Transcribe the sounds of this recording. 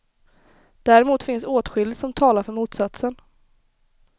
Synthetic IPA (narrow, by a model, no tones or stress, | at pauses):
d̪̥æɾɪmuːt̪fɪnsoːt̪ɧʏld̪sɔmt̪ʰɑːlaɾfœɾmuːt̪sat̪sən